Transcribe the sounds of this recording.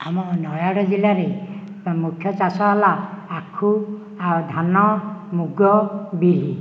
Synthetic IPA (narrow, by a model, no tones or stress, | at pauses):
amɔnɔjaɽɔzilaɾe | mukʰːjɔt͡ʃasɔɦalaːkʰu | ad̪ʱanɔmuɡɔbili